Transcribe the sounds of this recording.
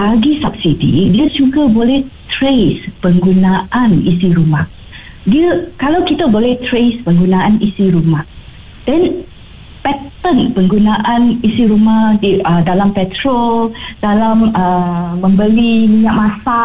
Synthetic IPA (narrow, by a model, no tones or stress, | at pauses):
baɡisap̚sidḭdiad͡ʒuɡabolɛht̪ɾespəŋɡunaʔanḭsiɾumah | diəkalawkit̪abolɛht̪ɾespəŋɡunãanisiɾumah | d̥ɛn | pɛt̪ənpəŋɡunaʔãnisiɾumahdiədalampɛt̪ɾold̥alaməːə̃mbəlimiɲaʔ̚mãsa